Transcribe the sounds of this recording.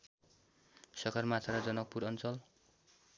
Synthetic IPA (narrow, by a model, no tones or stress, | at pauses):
sʌkʰʌrmat̪ʰaɾʌd͡zʌnʌk̚puɾʌnt͡sʌl